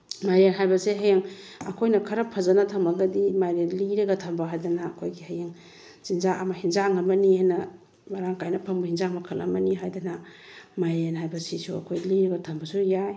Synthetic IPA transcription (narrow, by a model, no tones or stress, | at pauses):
majɾenɦajbɐseɦajeŋ | ɐ̰kʰojnɐkʰɐɾɐpʰɐzɐnɐtʰɐmɐɡɐdimajɾenliɾɐɡɐtʰɐmbaɦajdɐnɐːkʰojɡihɐjeŋ | zinzaʔɐmɐhinzaŋːɐbɐnihajnɐ | mɐɾaŋkajnɐpʰɐŋbɐhinzaŋmɐkʰɐlɐ̰mbɐniɦajdɐnɐmajɾenɦajbɐsisuɐ̰kʰojliɾɐɡɐtʰɐmbɐsujaj